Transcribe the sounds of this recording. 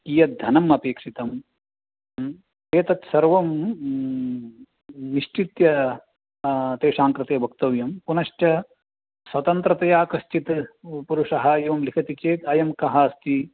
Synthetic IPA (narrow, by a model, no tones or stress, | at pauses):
kijɐt̪̚d̪ʱɐnɐmɐpeːkʂit̪ɐm | eːt̪ɐt̪sɐɾʋɐm | niʂt͡ʃit̪jɐ | t̪eːʂaːŋkɾɨt̪ejɐbʱɐk̚t̪ɐʋjɐmpunɐʃʈjɐ | sʋɐt̪ɐnt̪ɾɐt̪ɐjaːkɐʃt͡ʃit̪puɾuʂɐɦɐːjiʋɐmlikʰɐt̪it͡ʃeːt̪ɐjɐmkɐɦɐɐst̪i